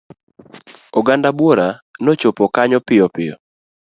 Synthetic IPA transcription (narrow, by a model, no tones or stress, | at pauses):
oɡandabwoɾanot͡ʃopɔkaɲɔpɪɔpɪjɔ̰